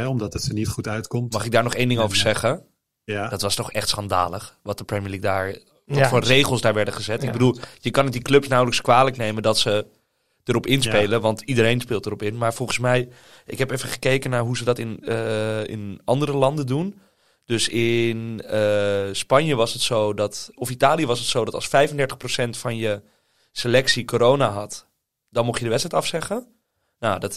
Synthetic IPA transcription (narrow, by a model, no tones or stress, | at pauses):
ɛɔmdɑtətənitχutœɥtkɔmtmmɑχɪɡ̚daːɹnɔχejndɪŋowvəɹzɛχə | d̥ɑtʋɑstɔχɛχtsχɑnda̰ːləχʋɑt̚dəprɛmiəlik̚daːɹ | ʋtfɔrejχəlˠsdaːɹʋɛɹdəχəzɛtɪɡ̚bədulˠjəkɑnətdiklɵpsnawləkskʋaːləknejməndɑtsə | d̥əɾɔpɪnspejləʋɑntidəɾejnspɪːlˠtərɔpɪnmaːɹvɔlˠχən̩smɛj | ʔɪkɦɛpefəχə̥kejkənaːɹɦuzədɑtɪn | ɪ̰nʔɑndəɾəlɑndəndun | d̥øsɪnəspɑnjəʋɑsətsowdɑtɔfitaːlijəʋɑsətsowdɑtɑ̰lˠsfɛjfəndɛɹtə̥χprosɛntfɑnjə | selɛksikoːɾownaɦɑt | dɑnmɔχtjədəʋɛtsɛjtɑfsɛχə | nawdɑt